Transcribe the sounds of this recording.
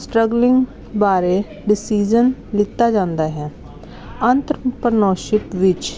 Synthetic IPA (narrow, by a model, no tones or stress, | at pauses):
sʈɾəɡlɪŋɡ | baːɾeː | ɖɪsiːd͡ʒənlɪt̪ːaːd͡ʒãːnd̪aːɦɛː | ənt̪ɾpəɾnɔːʃɪpʋɪt͡ʃ